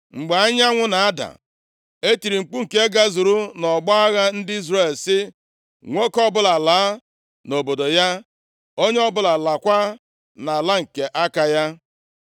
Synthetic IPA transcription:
ŋ͡m̩˨ɡ͡ba˨a˦ɲa˦ŋʷʊ˦na˨a˦da̰˨ | e˦ti˨ɾi˨ŋ͡m̩˨k͡pu˦ŋ̩˨ke˦ɡa˦zʊ˨ɾu˦nɔ˨ɡ͡bɔ˦a˦ɣa˦n̩˦dɪ˦i˦zre˦˨lsɪ˦ | ŋʷe˦kɔ˦bʊ˦la˨laː˨˦ | no˨bo˨do˨ja˦ | o˦ɲe˦ɔ˦bʊ˦la˨la˨kʷa˦ | na˨la˦ŋ̩˨ke˨ʔa˦ka˨ja˦

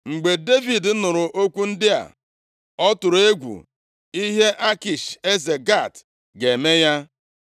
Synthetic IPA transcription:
ŋ͡m̩˨ɡ͡be˨de˦vi˨dnʊ˨ɾʊ˨ʔo˦kʷu˦n̩˦dɪ˦a̰˨ | ɔ˦tʊ˨ɾe˦ɡʷṵ˨ | i˦ɦe˦ʔa˦ki˨ʃe˦ze˨ɡa˦˨t | ɡe˨me˦ja˦

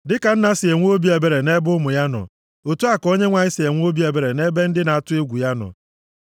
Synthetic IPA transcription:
dɪ˦ka˨n̩˦na˦sɪ˨e˨ŋʷ˦o˦bi˦e˨be˨ɾe˨ne˦bʊ˦mʊ˨ja˦nɔ̰˨ | o˨tu˦a˨ko˦ɲe˦ŋʷa˨ɲɪ˦sɪ˨e˨ŋʷ˦o˦bi˦e˨be˨ɾe˨ne˦be˦n̩˦dɪ˦na˨a˨tʊ˦e˦ɡʷu˨ja˦nɔ̰˨

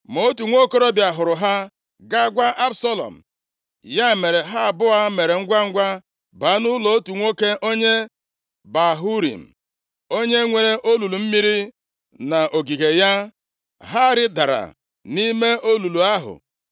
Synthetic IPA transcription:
mo˦o˦tu˨ŋʷo˦ko˦ɾo˦bja˨ɦʊ˨ɾʊ˨ɦa˦ | ɡa˦ɡʷa˦ʔa˦bsa˦lɔ̰˨m̩˨ | ja˦˨me˨ɾe˨ɦa˦a˨bʊ˦a˦me˨ɾe˨ŋ̩˦ɡʷa˦ŋ̩˦ɡʷa˦ | ba˨˦nʊ˦lo˨o˦tu˨ŋʷo˦ke˦ʔo˦ɲe˦ | ba˨ɦu˦ɾḭ˨m̩˨ | o˦ɲe˦ŋʷe˨ɾe˦ʔo˦lu˨lu˨m̩˦mi˦ɾi˦ | na˨ʔo˨ɡi˨ɣe˨ja˦ | ɦa˦ɾɪ˦da˨ɾa̰˨ | ni˦me˦ʔo˦lu˨lu˨a˦ɦʊ̰˨

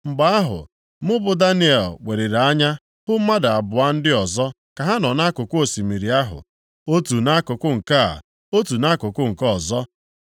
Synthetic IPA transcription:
ŋ͡m̩˨ɡ͡ba˦a˦ɦʊ̰˨ | mʊ˦bʊ˨da˦ni˦e˨lwʷe˨ɾe˨ɾe˨a˦ɲa˦ | hʊ˦ma˦da˨a˨bʊ˨a˦n̩˦dɪ˦ɔ˨zɔ˦ | ka˨ɦa˦nɔ˨na˦kʊ˨kʊ˦o˨si˨mi˨ɾi˨a˦ɦʊ̰˨ | o˦tu˨na˦kʊ˨kʊ˦ŋ̩˨ka˦a̰˨ | o˦tu˨na˦kʊ˨kʊ˦ŋ̩˨kɔ˨zɔ˦

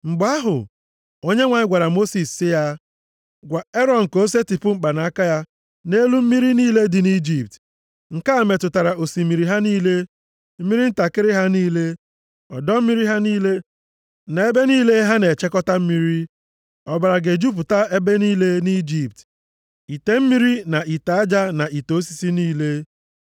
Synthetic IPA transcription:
ŋ͡m̩˨ɡ͡ba˦ɦʊ̰˨ | o˦ɲe˦ŋʷa˨ɲɪ˦ɡʷa˨ɾa˨mo˦si˨sːɪ˦ja˦ | ɡʷa˨e˦ɾɔ˨ŋ̩˨ko˦s̬e˦ti˨pʊ˦ŋ͡m̩˨k͡pa˨na˨a˦ka˦ja˦ | ne˦lu˦m̩˦mi˦ɾi˦niː˦le˦dɪ˨ni˦d͡ʒi˨p̚t | ŋ̩˨ka˦a˨me˨tʊ˨ta˨ɾa˨o˨si˨mi˨ɾi˨ɦa˦niː˦le˦ | m̩˦mi˦ɾi˦n̩˦ta˨kɪ˦ɾɪ˦ɦa˦niː˦le˦ | ɔ˨dɔ˦m̩˦mi˦ɾi˦ɦa˦niː˦le˦ | na˨e˦be˦niː˦le˦ɦa˦ne˨t͡ʃe˦kɔ˦ta˦m̩˦mi˦ɾi˦ | ɔ˨ba˨ɾa˨ɡe˨d͡ʒu˦p̬ʊ˨ta˦e˦be˦niː˦le˦ni˦d͡ʒi˨p̚t | i˨te˨m̩˦mi˦ɾi˦na˨ʔi˨ta˨a˦d͡ʒa˦na˨i˨to˨˦si̥˨si˦niː˦le˦

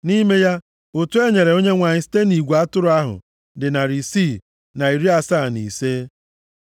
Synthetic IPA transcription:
ni˦me˦ja˦ | ʊ˨tu˦e˦ɲe˨ɾe˨o˦ɲe˦ŋʷa˨ɲɪ˨si̥˦te˦ni˨ɡʷu˨a˦tʊ˦ɾʊ˨˦a˦ɦʊ̰˨ | dɪ˨na˨ɾi˨si˦˨ | na˨i˨ɾi˦a˨sa˦˨nḭ˨se˦

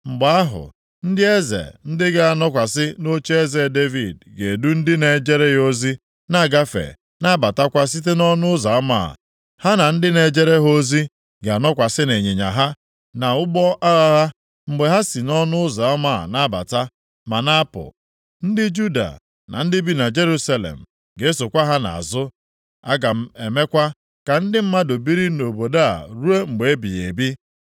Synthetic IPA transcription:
ŋ͡m̩˨ɡ͡ba˨a˦ɦʊ̰˨ | n̩˦dɪ˦e˦zḛ˨n̩˦dɪ˦ɡa˦a˨nɔ˦kʷa˨sɪ˦no˦t͡ʃe˦e˦ze˨de˦vi˨dɡe˨du˦n̩˦dɪ˦ne˨d͡ʒe˦ɾe˦o˦zi˦ | na˦˨ɡa˦fḛ˨ | na˦ba˨ta˦kʷa˦s̬i˦t̬e˦nɔ˦nʊ˦ʊ˦za˨a˦ma̰˦˨ | ha˦na˨n̩˦dɪ˦ne˨d͡ʒe˦ɾe˦ɦo˦zi˦ | ɡa˨nɔ˦kʷa˨sɪ˦ne˨ɲe˨ɲa̰˨ɦa˦ | na˨ʊ˦ɡ͡bɔ˦ʔa˦ɣa˦ɦa˦ | ŋ͡m̩˨ɡ͡be˨˦ɦa˦si˨nɔ˦nʊ˦ʊ˦za˨a˦ma̰˦˨na˦ba̰˨ta˦ | ma˨na˦pʊ̰˨ | n̩˦dɪ˦d͡ʒu˦da̰˨ | na̰˨n̩˦dɪ˦bi˦na˨d͡ʒe˦ɾu˦sa˦lḛ˨m̩˨ | ɡe˨e˦so˨kʷa˦ɦa˦na̰˨a̰˨zʊ˦ | a̰˦ɡa˨m̩˦e˨me˦kʷa˦ | ka˨n̩˦dɪ˦m̩˦ma˦do˨bi˦ɾi˦no˨bo˨da˦a̰˨ɾu˦e˦ŋ͡m̩˨ɡ͡be˨e˦bḭ˨ḛ˨bi˦

